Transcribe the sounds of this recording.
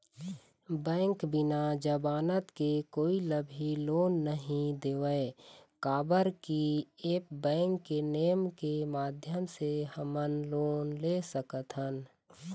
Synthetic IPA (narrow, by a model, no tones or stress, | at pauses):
bɛ̃ːŋkbɪnad͡ʒəbaːnət̪kekoːiləbʱiloːnːəɦĩd̪eːwəkaːbəɾkieːpbɛ̃ːŋkːeneːəmkemaːd̪ʱjəmsehəmənloːnlesəkət̪ɦən